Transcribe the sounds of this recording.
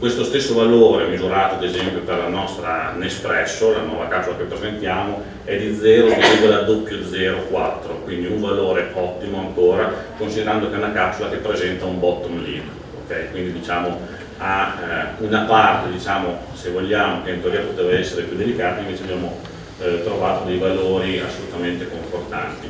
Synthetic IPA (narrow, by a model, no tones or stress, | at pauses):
kwest̪ost̪esːovaloːɾemizuɾaːt̪oad̪ezɛmpjoperlanɔst̪ɾa̰nespɾɛsːolanwɔːvakapsolakepːɾezent̪jaːmo | ɛd̪id̪zːɛːɾozvoliːvod̪ad̪opːjod̪zɛːɾokwat̪ːɾokwind̪iuɱvaloːɾeɔt̪ːimoaŋkoːɾakonsid̪eɾand̪okeɛunakapːsolakepːɾezɛnt̪aumbɔt̪ːonlḭːn | okɛjkwind̪id̪it͡ʃaːmo | aunapart̪ed̪it͡ʃaːmo | sevolːaːmokeint̪oɾiːapot̪eːvaɛsːeɾepjud̪elikaːt̪aiɱveːt͡ʃeabjaːmo | t̪ɾovaːt̪od̪ejvaloːɾia̰sːolut̪ament̪ekoɱfort̪a̰nt̪i